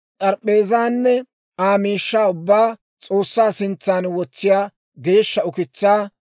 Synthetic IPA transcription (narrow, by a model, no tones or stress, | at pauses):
tʼɐɾpʼːe̞ːzaːnːɛ | aːmiːʃːaːʊbːaː | t͡sʼo̞ːsːaːsɪnt͡sːaːnwɔt͡sːɪjaː | ɡe̞ːʃːɐʊkɪt͡sːaː